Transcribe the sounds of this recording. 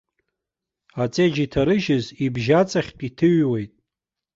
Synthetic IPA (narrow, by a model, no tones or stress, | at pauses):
at͡sʼed͡ʒitʰaɾɨʒɪzibʒat͡sʼaχʲkʼitʰɨɥwejtʼ